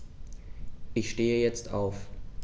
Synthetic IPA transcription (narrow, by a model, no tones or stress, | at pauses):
ʔɪçʃteːəjɛt͡stʰa̰ʊf